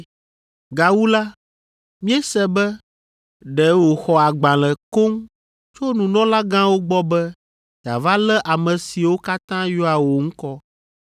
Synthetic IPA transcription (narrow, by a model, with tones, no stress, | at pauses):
ɡa˨wu˦la˦ | mĩ˦ɛ˦sɛ˦bɛ˦ | ɖɛ˨wo˨xɔ˨a˨ɡ͡bã˨lɛ˨ko˦ŋ | t͡ʃo˦nũ˨nɔ̃˦la˦ɡã˦wo˦ɡ͡bɔ˦bɛ˦ | d͡ʒa̰˨va˦lɛ˦ʔa˨mɛ̃˨si˨wo˦ka˦t̪ã˦jɔ˦a˨wo˨ŋ̩˦kɔ˦